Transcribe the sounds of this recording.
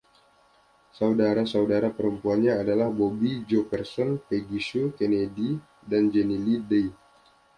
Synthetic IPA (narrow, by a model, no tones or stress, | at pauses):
saudaɾasaudaɾapəɾəmpuanɲaːdalahbobid͡ʒopərsɔnpeɡisukenedi | dand͡ʒɛnilidej